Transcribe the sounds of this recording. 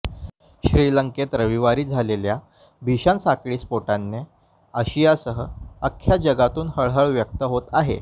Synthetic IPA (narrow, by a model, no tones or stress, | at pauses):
ɕɾiləŋket̪ɾəʋiʋaɾiːd͡zʱalelja | bʱiɕansakɭiːspoʈanːe | əɕijasəɦəəkʰːjad͡ʑəɡat̪uːnhəɭɦəɭʋjək̚t̪əɦot̪aɦḛ